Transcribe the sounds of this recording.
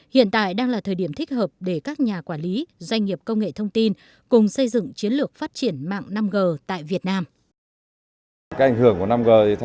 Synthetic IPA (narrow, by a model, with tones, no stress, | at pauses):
hḭ˧˨ənt̪a̰ː˧˨jɗaː˧ŋlaː˨˩t̪ʰəː˨˩jɗi˧˩əmt̪ʰï˦˥k̟̚həː˨˩p̚ɗe˧˩kaː˦˥k̚ɲaː˨˩kwaː˧˩nli˨˦zwa˧jŋ̟ŋi˨˩əp̚kə˧wŋ͡mŋḛ˧˨t̪ʰə˧wŋ͡mt̪i˧n | kʊ˨˩ŋ͡msə˧jzɨ̰˧˨ŋt͡ɕi˨˦ənlɨ˨˩ək̚faː˦˥t̚t͡ɕi˧˩ənma̰ː˧˨ŋna˧mɣəː˨˩t̪a̰ː˧˨jvi˨˩ət̚naː˧m | aː˦˥k̚ʔŋhɨ˧˩əŋku˧˩əna˧mɣəː˨˩˨t̪ʰ